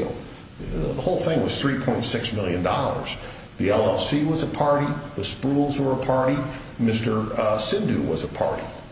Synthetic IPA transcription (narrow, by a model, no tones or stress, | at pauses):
lˠ | ðəhoʊlˠθɪ̃ŋwʌz̥θɹipʰɔ̃ɪ̃ntsɪksmɪlˠjɨ̃ndɔlˠə̰˞z̥ | ðiɛlˠɛsiwʌzəpʰɑɹɾiðɨspɹulˠzwə˞əpʰɑɹɾi | mɪstə˞sɪ̃ndʉwʌ̰zəpʰɑ̰ɹɾḭ